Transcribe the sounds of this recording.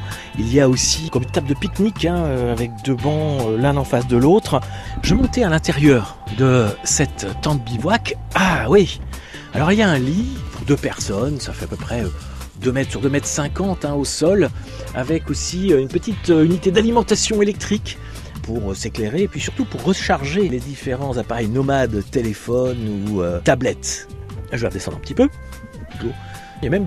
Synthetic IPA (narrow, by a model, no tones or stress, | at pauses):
ilijaosikɔmynt̪ap̚d̪əpiknikɛ̃øavɛk̚d̪øbɑ̃ølɛ̃nɑ̃fas̬d̪əlot̪χʒəmɔ̃t̪ɛalɛ̃t̪eʁjœʁ | d̪əsɛt̪ːɑ̃t̪̚bibwakawi | a̰lɔʁiljaɛ̃lipuʁd̪øpɛʁsɔnsafɛapøpχɛø | d̪ømɛt̪χsyʁd̪ømɛt̪χsɛ̃kɑ̃t̪ɛ̃osɔl | a̰vɛkosiøynpət̪it̪øynit̪ed̪alimɑ̃t̪asjɔ̃elɛk̚t̪χik | puʁøsekleʁepɥisyʁt̪upuʁːəʃaʁʒeled̪ifeʁɑ̃zapaʁɛjnɔmad̪t̪elefɔnuøt̪ablɛt̪ʒəvwa̰ʁd̪esɑ̃d̪ʁɛ̃pət̪ipø | klo | jamɛm